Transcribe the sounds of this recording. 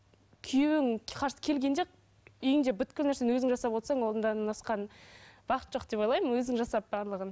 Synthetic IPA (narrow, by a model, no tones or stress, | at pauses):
kʲʰʏjewɪŋqʰɑɾsə̥kʲʰe̞lɡʲe̞nd̪e | ijɪŋd̪ebʏt̪kʲɪlnæɾse̞nwɵzɪŋʒɑsɑpwo̞t̪sɑɴwo̞ld̪ənd̪ɑnɑsqɑnb̥ɑqət̪ʒo̞qd̪e̞pojlˠɑjmənwɵzd̪ɪŋʒɑsɑp̚bɑɾlˠəʁən